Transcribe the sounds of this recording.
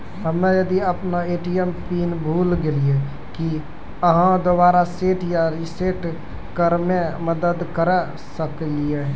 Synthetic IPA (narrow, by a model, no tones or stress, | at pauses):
ɦəmejəd̪iəpnaeʈijempinbʱulɡelie | ki | əɦãd̪obaɾaseʈʰjaɾiseʈ | kəɾmeməd̪əd̪kəɾɛ | səklije